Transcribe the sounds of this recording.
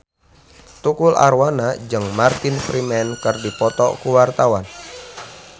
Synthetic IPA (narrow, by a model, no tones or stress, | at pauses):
t̪ukulʔa̰ɾwanad͡ʒɨŋmart̪infɾimɛnkɨrdipɔt̪ɔkuwart̪awan